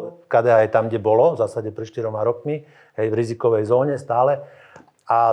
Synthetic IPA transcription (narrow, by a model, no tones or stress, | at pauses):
fkaːd̪ɛaɛjt̪amɡɟɛbɔlɔvzaːsaɟɛpɾɛt̪ʃt̪iɾɔmaɾɔkmi | ɦɛjvɾizikɔʋɛjzɔːɲɛst̪aːlɛ | a